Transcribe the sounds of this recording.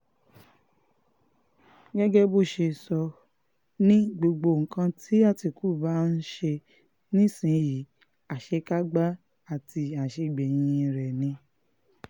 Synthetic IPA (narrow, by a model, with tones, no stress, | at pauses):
ɡɛ˦ɡɛ˦bo˦˨ʃe˧sɔ˧ | nĩ˦ɡ͡bo˧ɡ͡bo˧˨ŋ̩˨kã˧tʰi˨˦a˦˨ti˧ku˦˨ba˦n̩˦ʃe˧ | nĩ˦sĩ˨˦ji˨˦ | a˨ʃe˧ka˦ɡ͡ba˦ | a˨ti˧a˨ʃe˧˨ɡ͡be˨j̃ĩ˧ɾɛ˨nĩ˧